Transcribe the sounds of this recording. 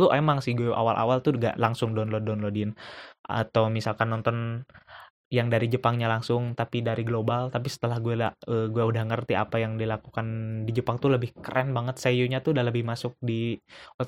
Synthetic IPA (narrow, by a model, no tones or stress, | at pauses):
lʊʔemaŋsɪɡuɛʔa̰walʔa̰walt̪uŋɡa̰ʔlaŋsʊŋdɔnlɔdɔnlodɪnʔa̰t̪awmisalkanːɔnt̪ɔn | jaŋdaɾid͡ʒəpaŋɲalaŋsʊŋt̪apidaɾiɡlobalt̪apisə̥t̪əlahɡuɛlaəɡuɛudahŋərt̪ia̰pajaŋdilakukandid͡ʒəpaŋt̪uləbɪhkəɾʔɛnbaŋət̪̚sajuɲat̪ʊdaləbɪhmasʊk̚di